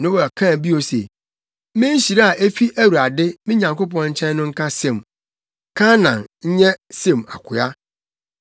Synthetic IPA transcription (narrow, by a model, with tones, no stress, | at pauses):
nʊ̃˦wa˨kʰã˦˨bi˦o˨sḛ˨ | mɪ̃˦ɲ˦ɕi˨ɾa˦a˨ʔe˦fi˦ʔæ˦wu˨a˨dɪ˦mɪ̃˦ɲã˨ŋko˦p̬ɔ̃˦nɲ̩˦t͡ɕʰɛ̃˦n˦nʊ̃˦ŋ̩˦kʰa˦sɛ̃˦˨m | kʰã˦nã˨nɲ̩˦ɲɛ̃˦sẽ˦˨ma̰˨kʷʰʊ˨a˦